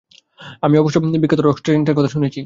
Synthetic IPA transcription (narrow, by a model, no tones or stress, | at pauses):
amiɔboʃobonibikːet̪oɾɔksʈɾeɾeɳʈeɾkɔt̪ʰaʃunet͡ɕʰi